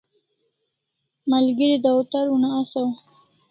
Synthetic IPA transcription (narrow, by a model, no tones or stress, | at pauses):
malɡəɾid̪aut̪aɾunaːsaw